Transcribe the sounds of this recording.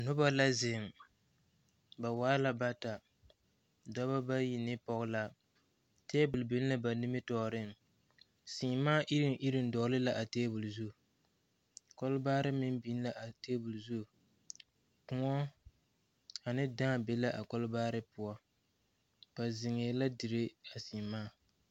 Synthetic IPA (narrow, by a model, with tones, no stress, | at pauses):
nʊ˦ba˦la˦zɪ˨m | ba˨waː˦la˦ba˦ta˨ | da˦ba˦ba˦ji˨nɪ˦pɔ˦ɣla˦ | teː˦bʊ˨lbi˦n˦la˦ba˨nɪ˦mɪ˦tɔ˨ɾɪ˦˨ | si˨maː˦ʔi˦ɾɪ˨nʔi˦ɾɪ˨n̩˦dɔ˨˦lɨ˦la˨ʔa˨teː˦bʊ˨lzu˦˨ | kɔ˦lbaː˦ɾɨ˦mɪ˦m˦bi˦n˦la˨ʔa˨teː˦bu˨lzu˦˨ | kʊ˨ŋɔ˦ | a˨nɨ˦da˦˨be˦la˦ʔa˨kɔ˦lbaː˦ɾɨ˦pʊ˨a˦ | b̥a˨zɪ˨ŋe˨la˦dɪ˨ɾɪ˦a˨si˨maː˦